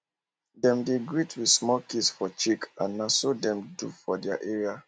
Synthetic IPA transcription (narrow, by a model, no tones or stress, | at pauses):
dɛ̃mdeɡɹitʰwi̥smɔkisfɔt͡ʃikãnːasodɛ̃mdṵfɔdɛa̰ʔɛɹia